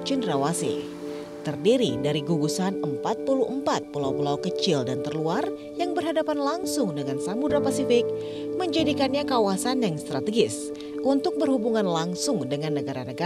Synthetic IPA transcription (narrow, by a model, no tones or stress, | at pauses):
t͡ʃindɾawasḭ | t̪ərdiɾidaɾiɡuɡusanəmpat̪̚puluʔəmpat̪̚pulawpulawkət͡ʃɪldant̪ərluar | jaŋbərɦadapanlaŋsʊŋdəŋansamudɾapasifɪk̚ | məɲd͡ʒadikanɲakawasanjaŋst̪ɾat̪əɡɪs | ʔunt̪ʊk̚bərhubuŋanlaŋsʊŋdəŋanːəɡaɾanəɡa